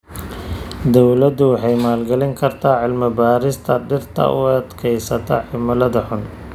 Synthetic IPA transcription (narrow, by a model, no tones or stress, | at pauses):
d̪ɔwlɐd̪ʊwɑħɑjmaːlɡɐlɪŋkʰɐrt̪ʰaːʕɪlmɐbaːɾɪst̪ʰɐɖɪrt̪ʰɐ̰ʔʊ̰ɐd̪kʰɛjsɐt̪ʰɐħɪmɐlɐðɐħʊn